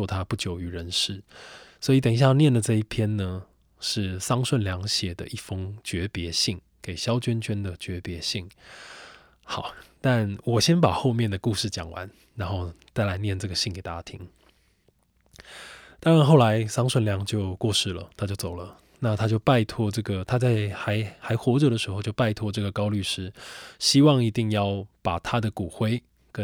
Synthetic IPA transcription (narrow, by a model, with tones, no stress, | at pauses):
ɔ˥˧t̪ʰa˦pu˥˩t͡ɕjo˨˩ʊy˨˥ɻə˧˦nʂɻ̩˥˩swɔ˧˥i˧t̪ə˨˩ŋɕja˥˧njɛ˥˩nlə˩ʈ͡ʂɤ˥˧i˥˩pʰjɛ˥nnə˨ | ʂɻ̩˥˩sɑ˥ŋʂwə˥˩nljɑ˧˥ŋɕjɛ˨˩d̪ə̰˦ʔi˥˩fɤ˦ŋt͡ɕɥɛ˧˥pjɛ˧˥ɕi˥˩ŋ | ke˨˩ɪɕjɑ˥ʊt͡ɕɥɛ˥nt͡ɕɛ˥nd̪ə˨t͡ɕɥɛ˧˥pjɛ˧˥ɕi˥˩ŋ | xɑ˨˩˦ʊt̪a˥˨nwɔ˨˩ɕjɛ˥npa˨˩xo˥˧ʊmjɛ˥˩nd̪ə˩ku˥˧ʂɻ̩˥˩t͡ɕjɑ̰˨˩ŋwa̰˧˦n | ɻa˧˥nxo˥˧ʊt͡sa˥˩ɪla˧˦˥ɪnjɛ˥˧nʈ͡ʂɤ˥˩ɡə˩ɕi˥˩ŋke˨˩ɪt̪a˥˩t͡ɕja˥t̪ʰḭ˥ŋ | t̪ɑ˥ŋɻa˧˦nxo˥˩ʊla˧˦ɪsɑ˥ŋʂwə˥˩nljɑ˧˥ŋt͡ɕjo˥˧ʊkwɔ˥˧ʂɻ̩˥˩lə̰˩t̪ʰa˥t͡ɕjo˥˩ʊt͡so˨˩ʊlə˦ | na˥˨t̪ʰa˥t͡ɕjo˥˧ʊpa˥˧ɪt̪ʰwɔ˥ʈ͡ʂɤ˥˩ɡə˩t̪ʰa˥t͡sa˥˩ɪxa˧˥ɪxa˧˥ɪxwɔ˧˥ʈ͡ʂɤ˨˩d̪ə˩ʂɻ̩˧˥xo˥˧t͡ɕjo˥˧ʊpa˥˧ɪt̪ʰwɔ˥˧ʈ͡ʂɤ˥˩ɡə˩kɑ˥ʊly˥˧ʂɻ̩˥ɕi˥wɑ˥˩ŋi˧˥t̪i˥˧ŋjɑ˥˩ʊpa˨˩t̪ʰa˦˥d̪ə˨ku˨˩xwe˥ɪ | kə˦